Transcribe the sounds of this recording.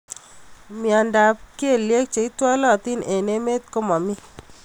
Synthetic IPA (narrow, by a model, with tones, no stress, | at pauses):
mi˨a˨nda˨p̚ki˦e˨lje˦k̚t͡ʃe˨i˦t̪wa˦lɔ˦˨t̪i˦ne˨ne˦me˦t̪̚ko˦ma˨mi˦